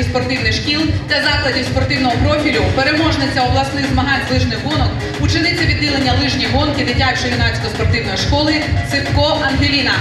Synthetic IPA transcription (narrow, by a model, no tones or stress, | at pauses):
spɔrt̪ɪwnɪxʃkʲilˠd̪ʲlʲɐzɑklˠɐdʲiwspɔrt̪ɪwnɔɦɔpɾɔfʲilʲʊpeɾemɔʒnɪt͡sʲːɐɔblˠɐsnɪɣzmɐɦɑnʲzlˠɪʒnɪxɦɔnɔk | ut͡ʃɪnɪt͡sʲːɐʋʲid̪ːilˠenʲːɐlˠɪʒnʲijɦɔnkɪd̪ɪtʲat͡ʃɔjʲinɑt͡sʲkɔspɔrt̪ɪwnɔjiʃkɔlˠɪsɪt̪kɔɦɐnɦʲilʲinɐ